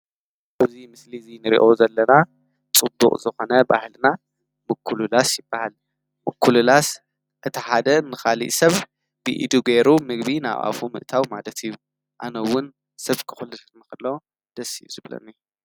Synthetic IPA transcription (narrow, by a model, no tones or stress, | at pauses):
ʔazimɨslizinɨɾḭʔo̞zɐlːɐna | t͡sʼɨbːṵqʼzɨxo̞nɐba̰hlna | mɨkʰːululasjɪbːahal | mɨkʰːululas | ʔɨt̪ʰiħad̪ɐnɨxalḭʔsɐβ | b̥ɨ̰ʔḭd̪uɡeɾumɨɡbina̰βʔa̰fumɨ̰ʔt̪ʰawmalɐt̪ʰiju | ʔanɐwːʊn | sɐβkʰɨ̥xulːɨt̪nɨxɨlːo | d̪̥ɐsḭuzɨβlɐ̰nːi